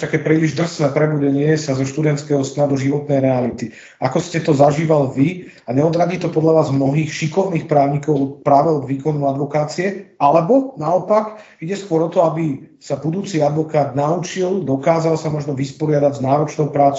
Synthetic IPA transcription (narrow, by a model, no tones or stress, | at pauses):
t̪akɛːpɾiːliʒd̪r̩snɛːpɾɛbuɟɛɲɪɛsazɔʃt̪ud̪ɛnt̪skɛːɦɔst̪ad̪uʒiʋɔt̪nɛjɾɛalit̪i | akɔscɛt̪ɔzaʒiːʋalʋi | aɲɛɔd̪ɾaɟiːt̪ɔpɔd̪ʎaʋaːzmnɔɦiːxʃikɔʊniːxpɾaːʊɲikɔʊpɾaːʋɛlɔɡʋiːkɔnuad̪ʋɔkaːt͡siɛalɛbɔnaɔpak | iɟɛskʊɔɾɔt̪ɔabisabud̪uːt͡siad̪ʋɔkaːd̪naut͡ʃild̪ɔkaːzalsamɔʒnɔʋispɔɾɪad̪aɟznaːɾɔt͡ʃnɔʊpɾaːt͡s